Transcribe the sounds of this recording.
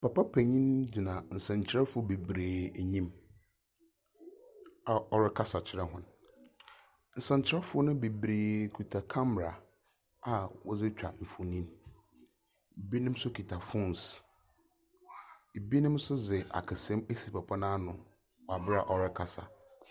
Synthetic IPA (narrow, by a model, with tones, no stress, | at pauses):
pa˨pa˦pʰæ˨ɲĩ˦nd͡ʑi˨nã˨n̩˨sɛ̃˨ɲ˨t͡ɕʰɪ˨˦ɾɛ˦fʊ˨ɔ˦be˨bɾeː˨ɲĩ˦m | a˨ʔɔ˦ɾɪ˦kʰa˦sa˨t͡ɕʰɪ˦ɾɛ˦ɦʊ̃˨n | n̩˨sɛ̃˨ɲ˨t͡ɕʰɪ˦ɾɛ˦fʊ˦ɔ˦nʊ̃˦be˨bɾeː˨kʰu˨tʰa˨kʰã˦mɾa˨ | a˨wɔ˦d͡zɪ˦t͡ɕᶣa̰˨m̩˨fu˨nĩ˦n | e˨bi˦nɪ̃˦m˦sʊ˦kʰi˨tʰa˨fʊ̃˦ns | e˨bi˦nɪ̃˦msʊ˦zɪ˨a̰˨kʰɪ˨sɛ̃˦me˦si˨pa˨pʰa˦nãː˦nʊ̃˨ | wɔ˨a˨bɪ˦ɾa˨ʔɔ˨ɾɪ˦kʰa˨sa̰˨